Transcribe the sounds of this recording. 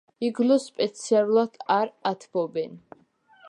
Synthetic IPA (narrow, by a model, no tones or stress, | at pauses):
iɡlɔspʼɛt̪sʰialˠulˠat̪ʰaɾat̪ʰbɔbɛn